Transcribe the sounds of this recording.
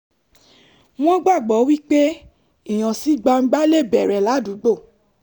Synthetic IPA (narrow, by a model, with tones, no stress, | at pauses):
w̃ɔ̃˦ɡ͡ba˦˨ɡ͡bɔ˨˦wi˦k͡pe˦ | i˦˨j̃ã˨si˨˦ɡ͡ba˧ŋ͡m̩˦ɡ͡ba˦le˦˨bɛ˨ɾɛ˨la˨˦du˨˦ɡ͡bo˦˨